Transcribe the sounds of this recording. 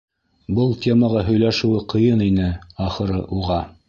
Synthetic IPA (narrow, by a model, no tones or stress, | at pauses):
bɤlˠtʲʰemɑʁɑɦɵ̆jlæʃɘ̆wɘqʰɤ̆jɤninɘɑχɤ̆ɾɤʔuʁɑ